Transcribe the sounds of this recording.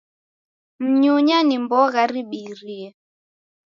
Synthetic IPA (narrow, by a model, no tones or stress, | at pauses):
m̩ɲuɲanimbɔɣaɾiɓiɾiɛ